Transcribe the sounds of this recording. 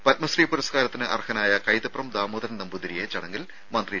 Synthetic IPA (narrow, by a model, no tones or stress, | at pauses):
pɐt̪̚mɐsriːpuɾɐskaːɾɐt̪ːinɨʔɐ̰rhɐnaːjɐkɐjt̪ɐprɐmd̪aːmoːðɐnnɐmbud̪ɾijet͡ɕɐɽɐŋɡil | mɐnd̪ri